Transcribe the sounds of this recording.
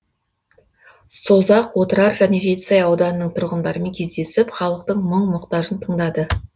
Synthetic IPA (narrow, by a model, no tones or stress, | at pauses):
sozɑqwo̞t̪əɾɑɾʒæne̞ʒe̞t̪ɪ̥sɑjɑwd̪ɑnənəɴt̪ʰʊɾʁənd̪ɑɾəmeŋʲkʲʰe̞zd̪e̞sɪpχɑlˠəqt̪əɴməɴmʊqt̪ɑʒənt̪ʰəɴd̪ɑd̪ə